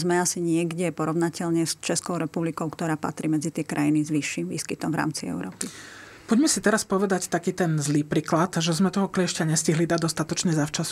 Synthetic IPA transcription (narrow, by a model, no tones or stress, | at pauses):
zmɛasiɲɪɛɡɟɛpɔɾɔʋnacɛʎɲɛst͡ʃɛskɔʊɾɛpublikɔʊkt̪ɔɾaːpa̰t̪ɾiːmɛd͡zit̪ɪɛkɾʔajinizʋiʃːimʋḭːskit̪ɔmvɾa̰ːmt͡siɛ̰ʊɾɔːpi | pɔɟmɛsit̪ɛɾaspɔʋɛd̪act̪akiːt̪ɛnzliːpɾiːklat̪ʒɛzmɛt̪ɔɦɔklɪɛʃcaɲɛsciɦlid̪ad̪ɔst̪at̪ɔt͡ʃɲɛzaft͡ʃasu̥